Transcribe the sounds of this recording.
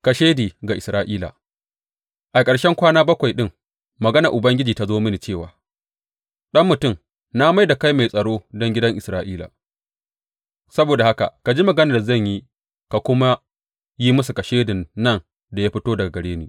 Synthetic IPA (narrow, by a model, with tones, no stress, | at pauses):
ka˨ʃeː˦diː˨ɡa˨ʔɪ˨sɾaː˦ʔiː˦la̰˨ | ʔa˨kʼɐ˨ɽʃɛ˦ŋkʷaː˦naː˦bɐ˦kʷa˨jɗɪ˦ŋ | mɐ˨ɡɐ˦na˨ʔʊ˨bɐ˦ŋɡʲɪ˦d͡ʒiː˨ta˦zoː˦mɪ˦ni˨t͡ʃeː˦˨wa̰ː˨ | ɗɐ˦mːʊ˨tʊ˦˨m | na˦ma˦jda˨ka˦jma˨jsʼɐ˨ɽoː˦dɔ˦ŋɡʲɪ˦dɐ˦ŋʔɪ˨sɾaː˦ʔiː˦la̰ː˨ | sɐ˦boː˨da˨ha˦ka̰˨ka˨d͡ʒi˦mɐ˨ɡɐ˦na˨zɐ˦˨ɲji˦ | ka˨kʷʊ˦ma˦ | ji˦mʊ˦su˨kɐ˨ʃeː˦dɪ˨nːɐ˦˨n | da˨ja˦ɸɪ˦toː˦dɐ˨ɡa˨ɡɐ˨ɽeː˦nḭː˨